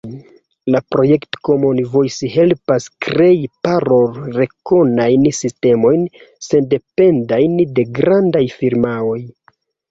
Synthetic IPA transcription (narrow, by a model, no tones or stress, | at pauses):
lapɾo̞je̞ktkomonivojsiɦe̞lpaskɾe̞ipaɾolɾe̞ko̞najnsiste̞mo̞jnse̞nde̞pe̞ndajnde̞ɡɾandajfiɾmao̞j